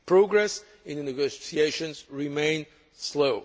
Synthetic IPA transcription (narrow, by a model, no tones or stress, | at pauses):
pʰɹoɡɹɛs | ɪ̃nðnɨɡosieʃɔ̃nzɹimẽɪ̃n | sloʊ